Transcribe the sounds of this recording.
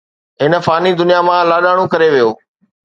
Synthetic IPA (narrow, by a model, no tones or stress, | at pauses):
ɦɪnə̆faːnid̪ʊnijamãlaːɗaːɽ̃õkɐɾeʋijoː